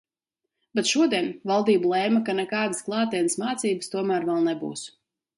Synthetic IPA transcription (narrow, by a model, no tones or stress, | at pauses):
bɛt̪ʃuɔd̪iɛnvalˠd̪iːbulˠɛːmakanɛkaːd̪ɨsklˠɑːt̪iɛnsmaːt̪siːbɨst̪uɔmæːɾvɛlˠnɛbṵːs